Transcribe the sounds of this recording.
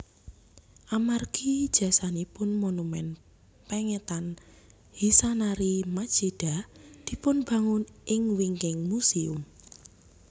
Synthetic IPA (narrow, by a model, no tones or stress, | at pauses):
ʔamarɡ̥id̥ʒ̥a̤sanipʊnmonumɛn | pɛŋɛt̪an | hisanaɾimad̥ʒ̥eɖ̥a̤d̪̥i̤pʊnb̥ä̤ŋʊnʔɪŋwiŋkɪŋmusiʊ̰m